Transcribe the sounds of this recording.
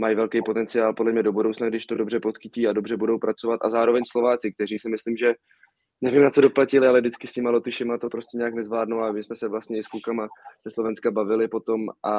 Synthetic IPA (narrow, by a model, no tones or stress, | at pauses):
majivɛlkɛjpot̪ɛnt͡sɪjaːlpo̞dlɛmɲɛdo̞budo̞wt͡snaɡdɪʃt̪o̞do̞br̝ɛpo̞t̪xɪciːadobr̝ɛbudo̞wpɾat͡so̞vat̪a̰zaːɾovɛɲslo̞vaːt͡sɪk̚t̪ɛriːsɪmɪsliːmʒɛ | nɛvimnat͡so̞do̞placɪlɪalɛvdɪt͡skɪsɲɪmalo̞t̪ɪʃɪmat̪opɾo̞scɛɲɛaknɛzvlaːdnuwamɪsmɛsɛvlast̪ɲɛɪskukamaz̥ɛslo̞vɛnskabavɪlɪpo̞t̪o̞mʔa